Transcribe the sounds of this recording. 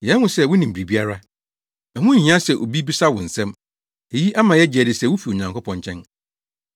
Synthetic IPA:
jɛ˦n˦hʊ̃˨sɛ˦˨wʊ˦nĩ˨m̩˨bɾi˨bi˦a˦ɾa˦ | ɛ˨hʊ̃˦˨hĩ˦ã˦sɛ˨ʔo̰˨bi˦bi˦sa˦wʊ̰̃˨n̩˨sɛ̃˦m | e˨ji˦ʔa˦mã˨jɛ˦d͡ʑɪ˨ɛ˨dɪ˨sɛ˦˨wʊ˦fi˨o˨ɲã˨ŋkʰo˦pʰɔ̃˦ɲt͡ɕʰɛ̃˦n

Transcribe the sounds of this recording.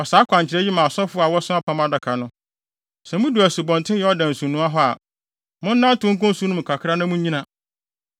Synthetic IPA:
ɔ˨saː˨˦kʷʰã˨ɲ˨t͡ɕʰɪ˨ɾɛ˦ji˦mã˨ɔ˨sɔ˦fʊ˦a˨wɔ˦sʊ̃˦a˦pʰa˦ma˨da˨kʰa˨nʊ̃˦ | sɛ˨mʊ̃˦du˨æ˨su˨bɔ̃˨ntʰɪ̃˦jɛ˨˦ɔ˦dã˨n̩˨sũ˨nũ˦a˦ɦɔ˦a̰˨ | mʊ̃˦n̩˦nã˦n˦tʊ̃˦ŋ̩˦kʊ̃˦n˦su˦nʊ̃˦m̩̃˨kʰa˨kʰɾa˦nʊ̃˦mũ˦ĩ˦nã˨

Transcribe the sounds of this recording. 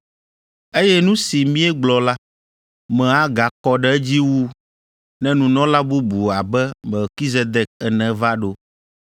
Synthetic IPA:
e˦jɛ˦nũ˦si˨mĩ˦ɛ˦ɡ͡blɔ˨la˦ | mɛ̃˨a˨ɡa˨kɔ˨ɖɛ˦d͡ʑi˦wu˦ | nɛ̃˦nũ˨nɔ̃˦la˦bu˦bu˨a˨bɛ˦mɛ˨lki˦ze˦d̪ɛ˨k̚ɛ˨nɛ̃˨va˦ɖo˦

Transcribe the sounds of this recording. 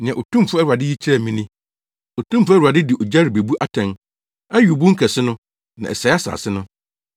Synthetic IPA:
nɪ̃˨ɛ̃˨ʔo˨tʰũ˦m˨fʊ˦æ˦ɾu˨a˨dɪ˦ji˦t͡ɕʰɪ˦ɾɛ˦˨mĩ˦nĩ˦ | o˨tʰũ˦m˦fʊ˦æ˦ɾa˨dɪ˦dɪ˨ʔo˨d͡ʑa˦ɾɪ˨be˨bu˦ʔa˨tʰɛ̃˨n | ɛ˦ɥu˨bʊ˦ŋ̩˦kʰɛ˨sɪ˦nʊ̃˦ | nã̰˨ɛ̰˨sɛ˨˦a˦sa̰ː˨sɪ˦nʊ̃˦

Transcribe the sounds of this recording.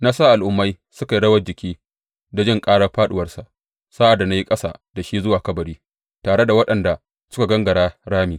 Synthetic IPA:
naː˦saː˦ʔa˨lʔʊ˦mːa˦j | sʊ˦ka˨jɽɐ˦wɐ˦d͡ʒɪ˨kʲʰiː˦ | da˨d͡ʒɪ˦ŋkʼaː˦ɽa˦˨ɸaː˦ɗʊ˨wɐ˦rsa˨ʔ | saː˦ʔa˨dːa˨na˦ji˦kʼɐ˦sa̰˨d̥a˨ʃiː˦zʊ˦waː˨kɐ˦bɐ˨ɽiː˦ | taː˨ɽe˦da˨wɐ˦ɗɐ˨nda˨ | sʊ˦ka˨ɡɐ˦ŋɡɐ˨ɽaː˦ɽaː˦miː˨

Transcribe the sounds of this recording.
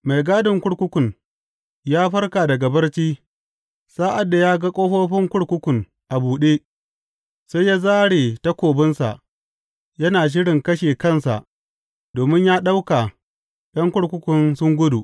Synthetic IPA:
ma˨jɡaː˦dɪ˨ŋkʷʊ˦ɽkʷʊ˦kʷʊ˨n | jaː˦ɸɐ˦rkaː˨dɐ˨ɡa˨bɐ˦rt͡ʃiː˦ | saː˦ʔa˨dːa˨jaː˦ɡa˦kʷʼoː˦ɸoː˦ɸɪ˦ŋkʷʊ˦ɽkʷʊ˦kʷʊ˨ŋ | ʔa˨buː˨ɗeː˦ | sa˦jaː˦zaː˦ɽeː˨ta˦kʷoː˨bɪ˦nsa̰˨ʔ | jɐ˦naː˨ʃ̬ɪ˦ɽɪ˨ŋkɐ˦ʃeː˨kɐ˦˨nsa̰˨ʔ | doː˨mɪ˦ɲjaː˦ɗa˦wka˨ | ɗɐ˦ŋkʷʊ˦ɽkʷʊ˦kʷʊ˨nsʊ˦ŋɡʷʊ˦du˨ʔ

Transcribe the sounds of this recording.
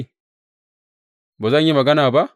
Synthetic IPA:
bo˨za˦ɲ˦ji˦ma˨ɡa˦na˨ba˦

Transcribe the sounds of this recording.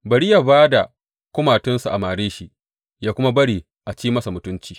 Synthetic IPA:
bɐ˨ɽi˦jaː˨baː˦da˨ | kʷʊ˦maː˨tɪ˦nsu˨ʔa̰˨maː˨ɽeː˦ʃi˦ʔ | jaː˦kʷʊ˦ma˦bɐ˦ɽiː˨ | ʔa˨t͡ʃiː˦mɐ˦sa˨mʊ˨˦tʊ˦nt͡ʃiː˨˦

